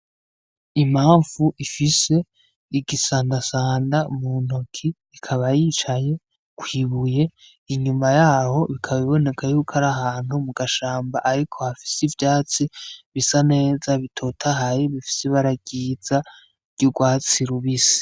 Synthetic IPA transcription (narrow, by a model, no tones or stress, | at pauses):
imaːɱv̥uʔifise̞ | iɡisaːndasaːndamun̥okʰiːkʰaβajiːt͡ʃaje̞ | kwiːβuje̞ | iɲumajaːho̞βikʰaβiβone̞kʰajuːkʰaɾaɦaːn̥humuɡaʃaːmbaʔaɾikʰo̞hafi̥sivjaːt͡siβisane̞ːzaβitʰo̞tʰaɦajeβifi̥seβaɾaɡ̥iz̥ḁ | ɟuɡwaːt͡siɾuβisi̥